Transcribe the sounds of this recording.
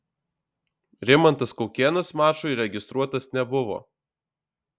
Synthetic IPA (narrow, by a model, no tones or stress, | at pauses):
ɾʲɪmɐnt̪ɐskɔʊkʲeːnɐsmɑːt͡ʃʊɪɾʲɛɡʲɪst̪ɾuɔt̪ɐsnʲɛbʊʋo̰ː